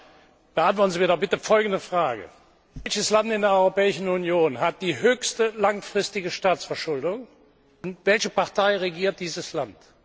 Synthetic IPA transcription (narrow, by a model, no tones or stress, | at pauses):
b̥əantv̥ɔɐtn̩zimiɐdɔχb̥ɪtəfɔlɡn̩dəfʁ̥aːɡə̰ | ɛlçəslantɪndeːɐɔʏʁopɛːɪʃn̩unjoːnhat̚d̥iːɦøːçstəlaŋfʁ̥ɪstɪɡəʃtaːt͡ssfɛɐʃʊldʊŋ | ʊntvɛlçəpaʁtaɪʁeɡiːɐt̚d̥iːzəslant